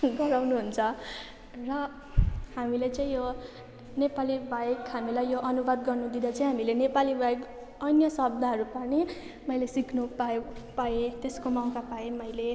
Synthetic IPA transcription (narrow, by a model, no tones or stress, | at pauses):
ɡʌɾawnuɦunt͡sʰʌ | rʌ | hamilet͡sʌĩjo | nepalibʱajekɦamilajjoʔʌnubad̪ɡʌrnud̪id̪at͡saĩɦamilenepalibʱajek | ʌnjʌsʌb̚d̪ʱaɦʌɾupani | mʌjlesikʰnupapaet̪eskomaw̃kapaemʌjle